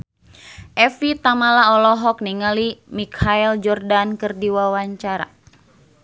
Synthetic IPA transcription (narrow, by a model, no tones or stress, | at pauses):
ʔɛfit̪amalaɔlɔɦɔk̚niŋalimikʰaild͡ʒɔrdankɨrdiwawaɲt͡ʃaɾa̰